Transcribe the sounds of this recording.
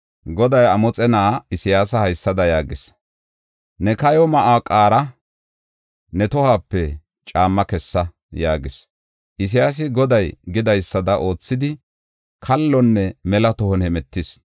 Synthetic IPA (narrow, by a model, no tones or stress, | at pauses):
ɡɔd̪ɐjɐmɔt͡sʼɛnaːɪsɪjaːsɐhɐjsːɐd̪ɐjaːɡɪs | nɛkɐjɔmɐʔaːkʼaːɾɐ | nɛt̪ɔhaːpːɛ | t͡ʃʼaːmːɐkɛsːɐ | jaːɡɪs | ʔɪs̬ɪjaːs̬ɪɡɔd̪ɐjɡɪd̪ɐjsːɐd̪ɐʔo̞ːt͡sːɪd̪ɪ | kʰɐlːɔnːɛmɛlɐt̪ɔhɔnhɛmɛt̪ːɪs